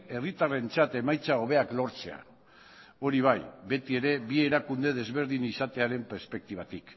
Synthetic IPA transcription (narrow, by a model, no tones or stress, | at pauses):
e̞rit̪are̞nt͡sat̪e̞majt͡sao̞β̞e̞aklo̞ɾt͡se̞̰a̰ | o̞ɾiβ̞ajbe̞t̪ie̞ɾe̞βie̞ɾakund̪e̞ð̞e̞zβe̞ɾð̞inisat̪e̞aɾe̞mpe̞ɾspe̞k̚t̪iβ̞at̪ik